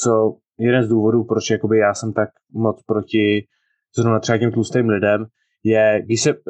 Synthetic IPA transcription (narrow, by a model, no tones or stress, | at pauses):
t͡so̞ | jɛdɛnzduːvo̞duːpɾot͡ʃjako̞bɪjaːsɛmt̪ak | mo̞t͡spɾo̞cɪ | z̥ɾovnat̪rɛbacɛmt̪lust̪ejmlɪdɛm | jɛɡdɪʃsɛ